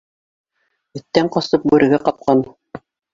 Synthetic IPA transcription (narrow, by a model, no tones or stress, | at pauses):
ɘ̆t̪ːæɴqɑst̪ɤp̚bʉɾɘ̆ɡæqɑp̚qɑn